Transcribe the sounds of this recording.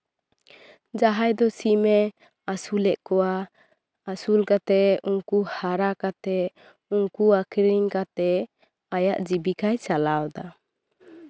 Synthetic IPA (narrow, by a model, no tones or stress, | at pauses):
d͡ʒaɦajd̪ɔsimɛ | asulɛʔkɔwaː | sulkat̪ɛuŋkuhaɾakat̪ɛ | uŋkuakʰiɾiŋkat̪ɛ | ajaʔd͡ʒibikajt͡ʃalawd̪a